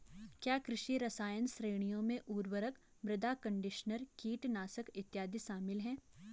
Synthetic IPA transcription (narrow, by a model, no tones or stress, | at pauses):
kjaːkɾɪʃiɾɐsaːjənsɾeːɽ̃ijõmẽʔuːɾwəɾək | bɾɪd̪aːkɐ̃ɳɖɪʃnəɾkiːʈnaːsəkɪt̪jaːd̪iʃaːmɪlɦɛ̃ː